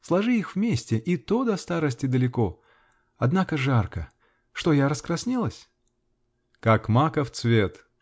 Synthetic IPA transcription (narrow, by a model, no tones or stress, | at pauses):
slˠɐʐɨixvmʲesʲtʲɪʔɪt̪od̪ɐst̪aɾəsʲtʲɪd̪əlʲɪko̞ | ɐd̪nakəʐarkə | ʂt̪o̞jaɾəskɾɐsʲnʲilˠəsʲ | kakmakəft̪svʲet̪